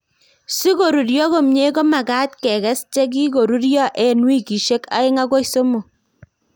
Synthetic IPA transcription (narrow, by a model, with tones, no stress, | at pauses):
si˦ɡo˨ɾu˨ɾjɔ˦ɣo˦mɲe˦ko˦ma˨ɡa˦t̪kɛ˨ɣɛ˦st͡ʃɛ˦k̬i˦ɡo˨ɾu˦ɾjɔ˦ʔɛ˨nwi˦ki˨ʃe˦ka̰˦ɪ˦ŋa˦ɡo˦jso˦mo˨